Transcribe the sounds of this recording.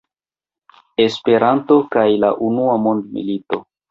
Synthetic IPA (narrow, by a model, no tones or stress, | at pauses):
e̞spe̞ɾanto̞kajlaʔunuamo̞ndmḭlito̞